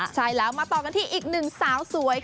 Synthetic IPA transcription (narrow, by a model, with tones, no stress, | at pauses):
t͡ɕʰa˥˩jlɛː˦˥wmaː˧t̪ɔː˨˩ka˧nt̪ʰiː˥˩ʔiː˨˩k̚nɯ˨˩ŋsaː˩˦wsu˩˦ɐj